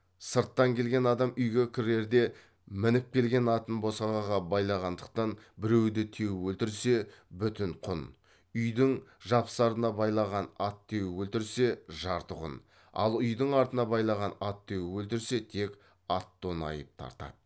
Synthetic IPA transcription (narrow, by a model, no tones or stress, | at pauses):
səɾt̪ːɑŋkʲʰe̞lɡʲe̞nɑd̪ɑmʏjɡʲe̞kʲʰʏɾe̞ɾd̪e̞ | mɪnɪp̚kʲe̞lɡʲe̞nɑt̪ənbo̞sɑʁɑʁɑbɑjlˠɑʁɑnd̪əq̚t̪ɑnbɪɾe̞wd̪ɪt̪ʰe̞wwɵlt̪ɪɾse̞bʏt̪ɪɴqʰʊn | ʏjd̪ɪŋʒɑpsɑɾənɑbɑjlˠɑʁɑnɑt̪ʰːe̞wɪwɵlt̪ɪɾse̞ʒɑɾt̪əʁʊ̰n | ɑ̰lˠʏjd̪əɴɑɾt̪ənɑbɑjlˠɑʁɑnɑt̪ʰːe̞wɪwɵlt̪ɪɾse̞t̪ʰe̞kʲ | ɑt̪ːo̞nɑ̰jəp̚t̪ʰɑ̰ɾt̪ɑ̰d̪